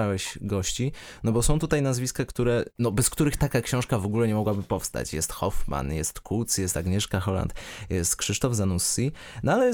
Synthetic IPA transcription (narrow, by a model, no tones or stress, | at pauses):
awɛɕɡɔɕt͡ɕinɔbɔsɔ̃w̃t̪ut̪ajnazvʲiskakt̪uɾɛnɔbɛskt̪uɾɘxt̪akakɕɔ̃w̃ʂkavɔɡulɛɲɛmɔɡwabɘpɔfst̪a̰t͡ɕjɛst̪xɔfma̰njɛst̪kult̪sjɛst̪aɡɲɛʂkaxɔla̰nt̪jɛst̪kʂɘʂt̪ɔvzanusːi | nɔalɛ